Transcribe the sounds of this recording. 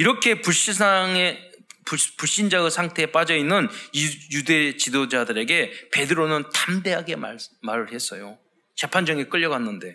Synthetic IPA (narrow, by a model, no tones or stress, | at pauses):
iɾʌkʰe̞puɭɕ͈isʰaŋepupuɭɕ͈ind͡ʑaɡɯɭsʰaŋtʰe̞ːp͈ad͡ʑʌinːɯnjude̞t͡ɕidod͡ʑadɯɾe̞ɡe̞pe̞dɯɾonɯntamde̞ɦaɡe̞ma̰maɾɯɭhe̞s͈ʌjo | t͡ɕepʰand͡ʑʌŋek͈ɯʎːʌɡwanːɯnde̞